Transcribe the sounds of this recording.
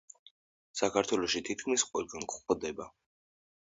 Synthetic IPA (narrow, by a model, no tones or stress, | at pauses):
sakʰaɾt̪ʰwɛlɔʃit̪ʰit̪̚kʰmisqʼɔwɛlɡankχɔd̪ɛba